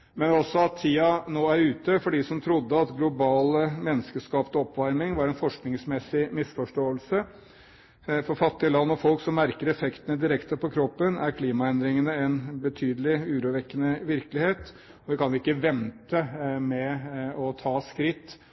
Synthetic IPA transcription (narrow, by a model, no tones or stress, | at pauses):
mɛnɔsɔɑt̪ʰːiːɑnoːæɾʉːt̪əfɔɖɪsɔmt̪ʰɾʊd̪ːəɑt̪ɡlʊbɑːləmɛnːəskəʂkɑːpt̪ɔɔpːʋɑɾmɪŋʋɑɾɛnfɔʂknɪŋsmɛsɪmɪsfɔʂʈoːəlsə | fɔɾfɑt̪ːɪəlɑnːɔfɔlksɔmːæɾkəɾɛfɛkt̪ənəd̪ɪɾɛkt̪əɾpʰɔkʰɾɔpːənæɾkʰliːmɑɛnd̪ɾɪŋənəɛnbət̪ʰyːd̪əlɪʉːɾuːʋɛkːənəʋɪɾkəlɪheːt̪ | ɔʋɪkʰɑnjʊɪkːəʋɛnt̪əmɛɔt̪ʰɑːskɾɪt̪ː